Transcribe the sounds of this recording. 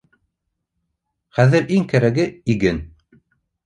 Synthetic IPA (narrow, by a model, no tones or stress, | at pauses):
χæðɘ̆ɾʔiŋkæɾæɡɘiɡɘn